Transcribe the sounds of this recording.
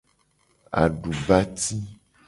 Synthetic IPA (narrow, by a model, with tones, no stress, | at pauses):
a̰˨ɖu˨ba˦t̪i˦